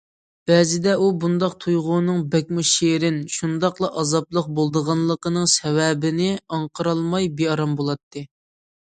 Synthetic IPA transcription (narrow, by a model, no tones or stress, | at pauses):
b̥ɛːzɪd̪ɛʔubund̪ɑq̚t̪ʰujʁʊnɨŋbɛk̚ʲmuʃeɾɪnʃund̪ɑqlˠɑʔɑzɑplˠəq̚bolˠd̪əʁɑnlˠəqənɨŋsɛwɛbɪnɪɑɴqʰəɾɑlˠmɑjbeɑɾɑmbolˠɑt̪ʰːɨ